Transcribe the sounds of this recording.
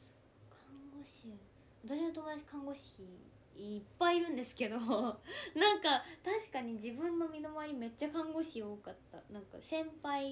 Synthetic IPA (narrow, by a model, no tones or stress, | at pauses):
so̥ | kʰãŋŋɡo̞ɕi | βat̪aɕ̬inot̪omo̞d̪at͡ɕi̥kʰãŋɡo̞ɕiː | pːaiːɾɯ̟̃nd̪e̞sɨ̥ke̞d̪o̞nãŋkat̪aɕi̥kaɲ̟id͡ʑibɯ̟̃nːo̞mʲino̞maaɾʲime̞t͡ɕːakãŋɡo̞ɕioːkat̪ːa̰nãŋka̰sẽ̞mpai